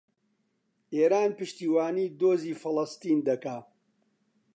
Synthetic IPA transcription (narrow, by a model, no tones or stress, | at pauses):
eːɾaːnpɨʃt̪iːwaːniːd̪oːziːfɨlɐst̪iːnd̪ɐkaː